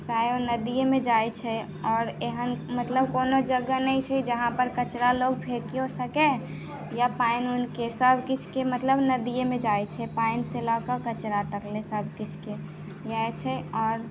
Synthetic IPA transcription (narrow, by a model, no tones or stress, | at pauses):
sajonəd̪ijemẽd͡ʒajt͡ʃʰɛ | ɔːɾeɦənmət̪ləbkoːnod͡ʒəɡənəit͡ʃʰɛd͡ʒəɦãpəɾkət͡ʃɾaloɡ̚bʱekijosəke | japaɪnunkesəbʱkit͡ʃʰkemət̪ləbnəd̪ijemẽd͡ʒajt͡ʃʰɛpaɪnselɔkəkət͡ʃɾat̪əklẽsəbʱkit͡ʃʰke | jaet͡ʃʰɛɔːɾ